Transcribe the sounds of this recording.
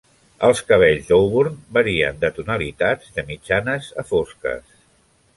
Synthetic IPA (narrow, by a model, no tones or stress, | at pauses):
əlˠskəβ̞eʎzd̪owβuɾnbəɾiə̰nd̪ət̪unəlit̪add͡zd̪əmid͡ʒanəzəfoskə̰s